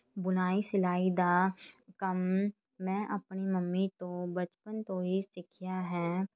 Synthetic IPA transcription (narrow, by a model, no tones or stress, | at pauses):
bʊnaːisɪlaːid̪aːkɐmː | ɛ̃ːʔəpniməmːit̪õbɐt͡ʃpənt̪õɦisɪkʰjaɦɛː